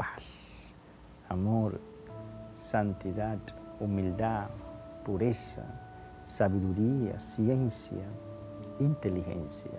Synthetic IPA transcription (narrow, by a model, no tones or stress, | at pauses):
pḁs | amoɾ | sant̪iðat̪umild̪apuɾesa̰ | saβiðuɾia̰sjensja̰ | int̪elixḛnsja̰